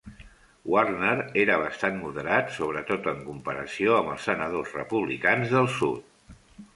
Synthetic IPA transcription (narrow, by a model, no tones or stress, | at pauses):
warnəɾeɾəβ̞əst̪anmuðəɾat̪soβɾət̪ot̪əŋkumpəɾə̰sioəmbəlˠsənəðozrə̰puβlḭkanzðəlˠsṵt̪̚